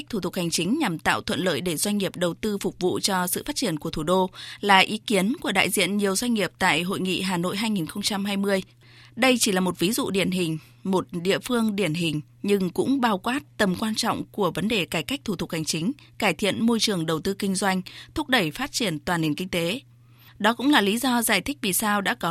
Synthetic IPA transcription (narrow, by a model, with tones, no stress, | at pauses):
jk̚t̪ʰu˧˩ʊ˨˩k̚ha˨˩jŋ̟t͡ɕï˨˦ŋ̟ɲa˨˩mt̪a̰ː˧˨wt̪ʰwə˧˨nlə̰ː˧˨jɗe˧˩zwa˧jŋ̟ŋi˨˩əp̚ɗə˨˩wt̪ɨ˧fʊ˨˩k͡p̚vṵ˧˨t͡ɕɔ˧sɨ̰˧˨faː˦˥t̚t͡ɕi˧˩ənku˧˩ət̪ʰu˧˩ɗo˧laː˨˩ʔi˨˦ki˨˦ənku˧˩əɗa̰ː˧˨jzḭ˧˨ənɲi˨˩əwzwa˧jŋ̟ŋi˨˩əp̚t̪a̰ː˧˨jɦo̰˧˨jŋḭ˧˨ɦaː˨˩no̰˧˨jɦaː˧jŋi˨˩nxə˧wŋ͡mt͡ɕa˧mhaː˧jmɨ˧əj | ɗə˧jt͡ɕi˧˩laː˨˩mo˨˩t̚vi˨˦zṵ˧˨ɗi˧˩ənɦï˨˩ŋ̟ | mo˨˩t̚ɗḭ˧˨əfɨ˧əŋɗi˧˩ənɦï˨˩ŋ̟ | ɲɨ˧ŋkʊ̰˧˥ŋ͡mɓaː˧˩wkwaː˦˥t̚t̪ə˨˩mkwaː˧nt͡ɕɔ̰˧˨wŋ͡mku˧˩əvə˨˦nɗe˨˩kaː˧˩jka˦˥jk̚t̪ʰu˧˩t̪ʰʊ˨˩k̚ha˨˩ŋ̟t͡ɕï˨˦ŋ̟ | kaː˧˩jt̪ʰḭ˧˨ənmo˧jt͡ɕɨ˨˩əŋɗə˨˩wt̪ɨ˧kï˧ŋ̟zwa˧jŋ̟t̪ʰʊ˦˥k͡p̚ɗə˧˩jfaː˦˥t̚t͡ɕi˧˩ənt̪waː˨˩nːi˨˩nkï˧ŋ̟t̪e˨˦ | ɗɔ˨˦kʊ̰˧˥ŋ͡mlaː˨˩li˨˦zɔ˧zaː˧˩jt̪ʰï˦˥k̟̚vi˨˩saː˧wɗa̰ː˧˥kɔ˨˦